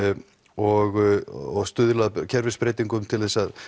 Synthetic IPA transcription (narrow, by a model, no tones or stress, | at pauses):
ɔɣɔɣst̪ʏːðʏlaðcʰɛɾvɪspɾeːjt̪iŋkʏmt̪ʰɪlθɛsað